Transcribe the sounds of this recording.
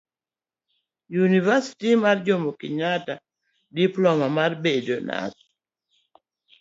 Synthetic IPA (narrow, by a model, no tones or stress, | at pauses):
junivasi̥timard͡ʒomokɪɲata | diplɔmamarbedona̰t